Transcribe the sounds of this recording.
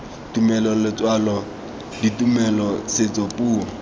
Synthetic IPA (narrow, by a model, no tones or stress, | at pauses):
tumɛlɔlɪt͡swalɔ | ditumɛlɔsɪt͡sopuːɔ